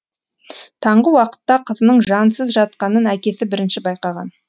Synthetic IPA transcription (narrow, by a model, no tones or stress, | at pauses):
t̪ʰɑɴʁəwɑqə̥t̪ːɑqʰəzənəɴʒɑnsəzʒɑt̪̚qɑnənækʲe̞sɪbɪɾɪnʃɪbɑjqɑʁɑ̰n